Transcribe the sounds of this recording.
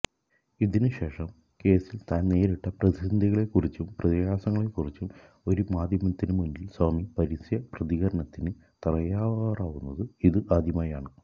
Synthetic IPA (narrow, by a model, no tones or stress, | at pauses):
iðinɨɕe̞ːʂɐm | ke̞ːsilt̪aːnne̞ːɾiʈːɐprɐd̪sɐnd̪ʱiɣɐɭe̞kːurit͡ɕːumprɐðijaːsɐŋːɐɭe̞kːurit͡ɕːum | o̞ɾumaːd̪jɐmɐt̪ːinɨmundilswaːmipɐɾisjɐprɐðiɣɐɾɐɳɐt̪ːinɨ | t̪ɐrɐjaːʋɐɣaːraːʋunːɐðɨiðɨʔaːd̪ʱjɐmaːjaːɳɨ